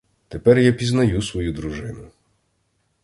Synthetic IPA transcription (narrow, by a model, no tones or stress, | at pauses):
t̪epɛrjapʲiznɐjusʋɔjud̪ɾuʒɪnʊ